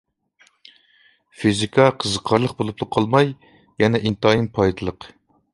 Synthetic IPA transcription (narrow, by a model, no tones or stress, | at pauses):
fizikʰɑqʰəzəqʰɑɾlˠəq̚bolˠupʰlˠəqʰːɑlˠmɑj | jɛnɛʔint̪ɑinpʰɑjd̪ɨlˠəq